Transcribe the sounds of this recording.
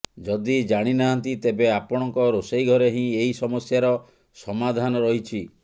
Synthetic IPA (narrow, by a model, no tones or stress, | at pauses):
d͡ʒɔd̪id͡ʒaɽ̃inaɦant̪it̪ebeapɔɽ̃ɔŋkɔɾosejɡʱɔɾeɦĩeisɔmɔsjaɾɔ | sɔmad̪ʱanɔɾɔɦit͡ʃʰi